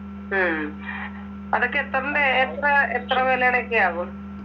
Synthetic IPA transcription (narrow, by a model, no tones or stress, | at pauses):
ɐðokːeet̪rɐndeːt̪rɐet̪rɐʋeːljaɳekːeaːʋo